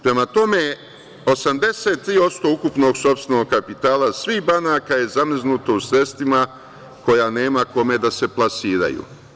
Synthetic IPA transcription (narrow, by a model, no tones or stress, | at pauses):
pɾe̞mat̪o̞me̞ | o̞samd̪e̞se̞t̪̚ːɾiːo̞t̪st̪o̞ukupno̞ɡso̞pst̪e̞no̞ɡ̚kapit̪aːlasʋihbanaːkaje̞zamiznut̪o̞usɾe̞st̪vima | ko̞jane̞ːmako̞me̞d̪ase̞plˠasiːɾa̰jṵ